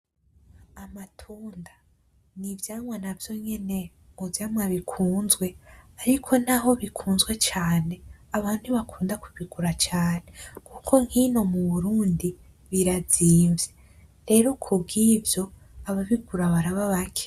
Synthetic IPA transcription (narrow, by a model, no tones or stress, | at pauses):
amatʰuːnda | nivjaːmwanavjo̞ɲe̞ne̞ | uvjaːmwaβikʰuːnzɡwe̞aɾikʰo̞naɦo̞βikʰuːnzɡwe̞t͡ʃaːne̞aβaːn̥duβakʰuːndaku̥βiɡuɾat͡ʃaːne̞kʰukʰo̞ŋ̥hino̞muβuɾuːndi | βiɾaziːɱve | ɾe̞ɾo̞kʰubɡivjo̞ | aβaβiɡuɾaβaɾaβaβakʰe̥